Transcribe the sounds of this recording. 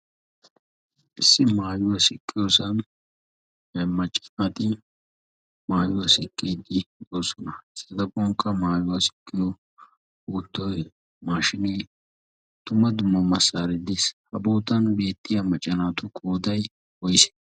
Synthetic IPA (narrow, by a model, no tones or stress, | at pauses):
ʔɪsːɪmaːjʊwɐsɪkʼːɪjoːsɐn | ɛmɐt͡ʃʼːɐ̥naːt̪ʼɪ | maːjʊwɐsɪkʼːeːd̪ɪd̪oːsɔnɐɪsɐd̪ɐkːɔŋkːɐmaːjʊwɐsɪ̥kʼːɪjɔ | uːt̪ːɔj | maːʃɪniː | t̪ʊmɐd̪ʊmːɐmɐsaːɾɪd̪ɪshɐboːt̪ɐnbe̞ːt̪ːɪjɐmɐt͡ʃʼːɐnaːt̪ʊkʰoːd̪ɐj | wɔjsɛ̥